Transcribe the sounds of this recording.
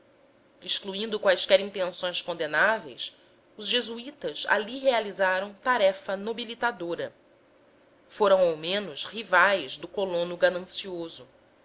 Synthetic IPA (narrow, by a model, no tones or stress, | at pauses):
iʃkluĩnd̪ʊkwajskɛɾĩnt̪ẽnsõj̃skõnd̪enavḛjs | ʊzʒezuit̪ɐza̰liɦealizaɾɐ̃w̃t̪aɾɛfɐnobilit̪ad̪oɾɐ | foɾɐ̃w̃awmẽnʊshivajzd̪ʊkolõnʊɡanɐ̃siozʊ